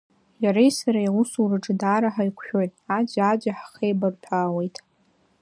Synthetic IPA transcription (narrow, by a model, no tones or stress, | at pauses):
jaɾejsaɾajwusurɨʈ͡ʂʼɨdaːɾaħaikʷʰʃᶣo̞jtʼad͡ʒad͡ʒaħḁχejbartʰaːwe̞jtʼ